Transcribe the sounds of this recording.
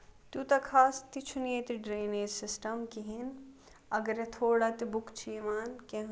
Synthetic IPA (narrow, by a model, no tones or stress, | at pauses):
t̪ut̪ɐkʰaːst̪it͡ʃʰuniet̪iɖɾeːneːd͡ʒsɪsʈɐmkiɦin | ɐɡɐɾet̪ʰoːɽat̪ibukt͡ʃʰimaːnkẽɦ